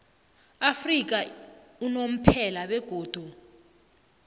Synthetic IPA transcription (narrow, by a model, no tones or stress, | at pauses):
afrik̬a | unom̩pʰɛlaɓɛɡ̥ʱoːd̥ʱu